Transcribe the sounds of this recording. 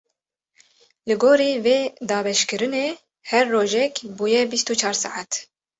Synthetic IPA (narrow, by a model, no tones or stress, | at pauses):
lɨɡoːɾiːveːd̪ɑːbɛʃkɨɾɨneː | hɛɾːoːʒɛkbuːjɛbist̪ut͡ʃʰɑːɾsɑ̰ʕat̪